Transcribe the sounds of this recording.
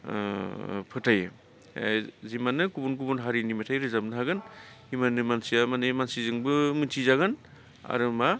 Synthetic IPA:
pʰɯtʰaj | zimanɯkubunk̬ubunɦaɾinimatʰajɾɯzap̚naaɡɯn | imanɯmansijamanɯmansizɯŋbɯmɯntʰizaɡɯn | a̰ɾɯma

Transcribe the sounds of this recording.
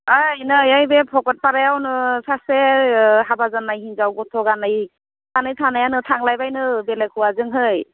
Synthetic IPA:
ajnɯjajbepʰɔkɔt̚paɾajawnɯsaseɦabazanːajɦinzawɡɔtʰɔɡanɯj | ɡ̥anɯjtʰanajanɯtʰaŋlajbajnɯbelekʰuwazɯŋɦɯj

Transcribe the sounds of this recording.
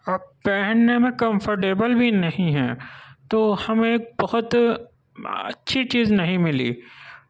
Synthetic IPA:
ɐpɛɦənnemẽkɐ̃mfəɾʈeːbəlbʱinɐɦĩɦɛ̰ːt̪oːhɐmẽk̚bɐɦʊt̪ | ɐ̰tːʃʰit͡ʃiːznɐɦĩmɪlḭː

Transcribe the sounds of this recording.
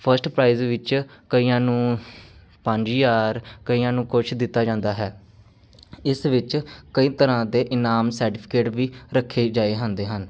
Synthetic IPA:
pʰəɾsʈpɾaːiːzʋɪt͡ʃkəiːãːnũː | pə̃ɲd͡ʒiːjaːɾkəiːãːnũːkʊt͡ʃʰd̪ɪt̪ːaːd͡ʒãːnd̪aːɦɛː | ɪsʋɪt͡ʃkəiːt̪əɾãːd̪eːʔɪnaːmsəɾʈɪpʰɪ̥keːʈʋiːɾəkʰːeːd͡ʒaːeːɦãːnd̪eːɦən

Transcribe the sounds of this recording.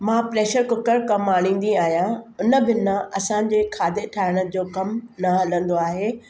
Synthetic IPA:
mãːpɾeːʃəɾkʊkəɾkɐmaːɽ̃ĩːnd̪iaːɦijãʊnə̆bɪnãɐsãːɲ̆d͡ʑeːkʰaːd̪eʈʰaːɪɽ̃ə̆d͡ʑoːkɐmnɐɦɐlə̃nd̪oaːɦeː

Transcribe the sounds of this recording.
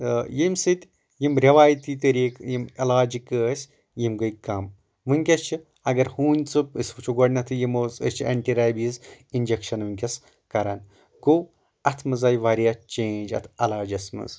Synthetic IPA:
jimsɨt̪ʲ | jimɾʲɐʋaːjt̪iːt̪ɐɾiːkjimɐlaːd͡ʒikəsʲ | jimɡɨjkɐm | ʋɨŋʲkʲɐst͡ʃʰi | ɐɡɐɾhuːnʲt͡sɨpɨsʲbɨt͡ʃʰuɡɐɖnɐt̪ʰɨjimozɨ̰st͡ʃʰiɐ̰ɳʈiɾaːjbizind͡ʒekʃɐnʋɨnʲkʲɐs | kɐɾaːn | ko | ɐt̪ʰmɨzaːjʋaɾijaːt͡ʃẽːnd͡ʒɐ̰t̪ʰɐlaːd͡ʒɐsmɨ̰z

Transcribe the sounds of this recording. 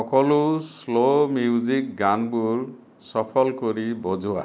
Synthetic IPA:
ɔkɔluslomiuzik̚ɡanbuɾ | sɔpʰɔlkoɾibɔd͡ʒʱua̰

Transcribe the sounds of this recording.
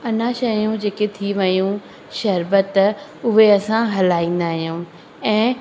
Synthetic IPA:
ɐnãʃɐjũd͡ʑeːket̪ʰiʋɐjũ | ʃɐɾbət̪ʊɦeɐsãɦɐlaːĩːn̆d̪aːɦijũː | ɛ̃ː

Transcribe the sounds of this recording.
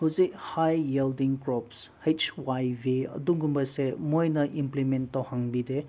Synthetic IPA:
huzik̚hajːeldiŋkɾɔpshet͡ʃwajbiɐ̰duŋɡumbɐsemojnɐʔimplimentːawhaŋbide

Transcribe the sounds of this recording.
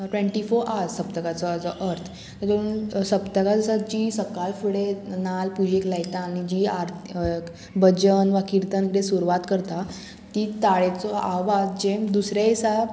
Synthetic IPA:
ʈʋẽɳʈifoɾʔasəp̚t̪əkat͡sɔt͡sɔʔəɾt̪ʰ | t̪əɾt̪əunsəpt̪əkad͡zəsad͡ʑisəkalfuɽenalpud͡ʑeklajt̪aːñid͡ʑiːaɾ | bəd͡ʑənʋakiɾt̪ənkiʈesuɾʋat̪kəɾt̪a | t̪iːt̪aɭet͡sɔʔaʋad͡ʑemd̪usɾaisa

